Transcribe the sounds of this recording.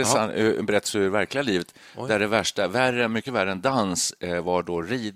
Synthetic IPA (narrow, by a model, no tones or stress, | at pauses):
ɛsanbɛɾɛt̪ːsvæɾklɪɡaliːvət̪ | d̪æɖɛvæʂʈaværəmʏkːəvæɾəɛnd̪ansvaɖɔɾiː